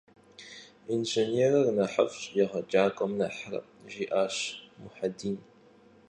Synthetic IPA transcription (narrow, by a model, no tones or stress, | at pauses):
inʒɪneːrɐrnɐħa̰fɕʼjɐʁɐd͡ʒʼaːkʷʼɔmnɐħrɐ̰ | ʒiːʔaːɕmʊħadiːn